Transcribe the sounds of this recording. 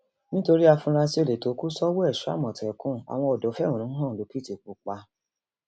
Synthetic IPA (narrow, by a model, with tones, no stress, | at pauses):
nĩ˦to˧ɾi˦a˧fũ˧˦ɾa˧si˦o˦˧le˨to˨˦ku˦sɔ˦wo˦ɛ˦˨ʃu˨˦a̰˦˨mɔ̃˨tɛ˨kũ˦˨a̰˨w̃ɔ̃˧ɔ˨dɔ˨˦fɛ̃˦ũ˨ũ˨˦ɔ̃˦˨lo˨˦pi˦˨ti˨k͡pu˨˦k͡pa˧